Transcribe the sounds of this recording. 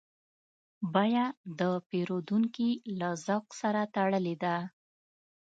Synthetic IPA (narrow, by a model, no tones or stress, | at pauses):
bajad̪əpeɾod̪uŋkilazawqsaɾat̪aɽəled̪a